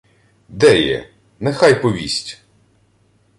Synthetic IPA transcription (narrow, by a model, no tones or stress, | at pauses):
d̪ɛjɛ̰ | nɛxɑjpɔʋʲisʲtʲ